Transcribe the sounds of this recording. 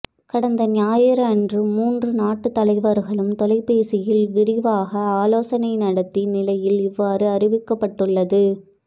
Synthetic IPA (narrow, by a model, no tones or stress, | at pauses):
kɐɽɐnd̪ɐnɪjaːjɪɾɐɛndrɯmuːndrɯnaːʈːɯt̪ːɐlɐɪʋɐɾɣɐɭɯmt̪ɔlɐɪpːeːsɪjɪlʋɪɾɪʋaːɣɐaːloːsɐnɐɪnɐɽɐt̪ːinɪlɐjɪlɪʋːaːɾɯɐrɪʋɪkːɐpːɐʈːɯɭːɐðɯ